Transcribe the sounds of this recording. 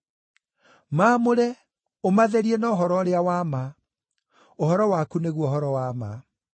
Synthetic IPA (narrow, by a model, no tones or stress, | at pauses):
mamoɾɛ | omaðɛɾiɛnɔɦɔɾɔɾeawama | ohɔɾɔwakuneɣwɔɦɔɾɔwama̰